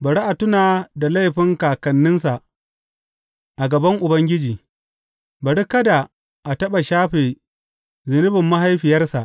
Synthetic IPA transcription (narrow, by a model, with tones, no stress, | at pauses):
bɐ˨ɽi˦ʔa˨tʊ˦naː˨da˨la˦jɸɪ˦ŋkaː˨kɐ˨nːɪ˦nsa˨ʔ | ʔa˨ɡɐ˨bɐ˦ŋʔʊ˨bɐ˦ŋɡʲɪ˦d͡ʒiː˨ | bɐ˨ɽi˦kɐ˦da˨ | ʔa˨tɐ˦ɓa˨ʃaː˦ɸeː˨ | zɪ˨nʊ˦bɪ˨mːa˦ɦa˦jɸɪ˨jɐ˦rsa˨ʔ